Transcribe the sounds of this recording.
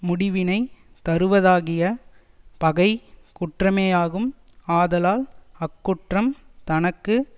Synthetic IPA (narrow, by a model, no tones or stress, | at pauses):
mʊɽɪʋɪnɐɪ | t̪ɐɾɯʋɐðaːɣɪjɐ | pɐɣɐɪkʊʈrɐmeːjaːɣɯmaːðɐlaːlɐkːʊʈrɐmt̪ɐnɐkːɯ